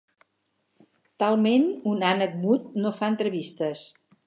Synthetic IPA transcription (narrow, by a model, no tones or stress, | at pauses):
t̪alˠmenunanək̚mut̪̚nofaənt̪ɾəβist̪əs